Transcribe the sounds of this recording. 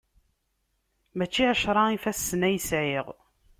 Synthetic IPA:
mæt͡ʃːiʕæʃɾˤɑifæsːnæjəsʕiʁ

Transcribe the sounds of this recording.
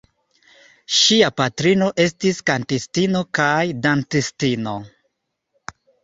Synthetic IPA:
ʃiapatɾino̞ʔe̞stiskantistino̞kajdantistino̞

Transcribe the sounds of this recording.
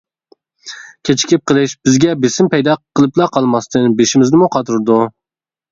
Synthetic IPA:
kʲʰet͡ʃʰi̥kʲʰip̚qəlˠɪʃbɪzɡʲɛbesɪmpɛjd̪ɑqʰəlˠɨplˠɑqʰɑlˠmɑst̪ʰɨnbeʃɪmɪznɪmuqʰɑt̪ʰuɾɨd̪u

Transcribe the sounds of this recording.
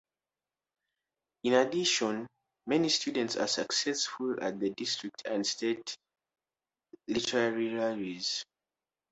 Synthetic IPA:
ĩnadiʃɔ̃n | mɛnistudɛ̃ntsa̰saksɛsfula̰t̚ðədistʰɹ̥ik̚tʰãndstʰet | litʰɛɹaɹiɹaliz̥

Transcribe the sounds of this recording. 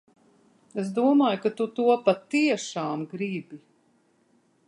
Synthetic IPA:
es̬d̪uɔmaːjukat̪ut̪uɔpat̪iɛʃaːmɡɾibi

